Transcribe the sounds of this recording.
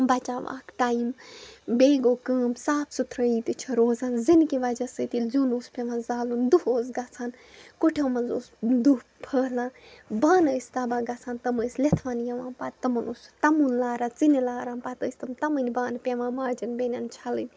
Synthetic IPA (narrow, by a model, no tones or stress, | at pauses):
bɐt͡ʃaːʋa̰ːkʈaːimbeːɡoːkəːmsaːpʰsut̪ʰɾɐiːt̪it͡ʃʰɐɾoːzaːnzinkiʋɐd͡ʒɐsɨt̪ilzʲunuːspʲeʋãnzaːlund̪uɦoːzɡɐt͡sʰaːnkuʈʰɐmɐnzoːsd̪upʰəːlãːbaːnəsʲt̪ɐbaːɡɐt͡sʰaːnt̪ɐməːslet̪ʰʋaːnjɐʋãːnpaːt̪t̪ːɐmɐnuːst̪ɐmuːnlaːɾaːt͡sinilaːɾãːnpat̪əːsʲt̪ɐmt̪ɐmɨnʲbaːnpʲeʋãːmaːɾd͡ʒɐnbenʲant͡ʃʰɐlɨnʲ